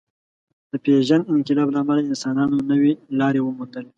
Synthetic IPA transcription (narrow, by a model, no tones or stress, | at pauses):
d̪̥əpeʒanɪŋkɪlɑblaːmalaɪnsɑnɑnonəwelɑɾewəmund̪əle